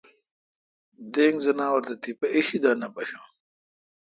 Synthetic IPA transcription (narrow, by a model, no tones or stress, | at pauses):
d̪eːŋɡzɐnaːwɐɾt̪ɐt̪ipɐʔiɕid̪aːnɐpɐɕã̰ː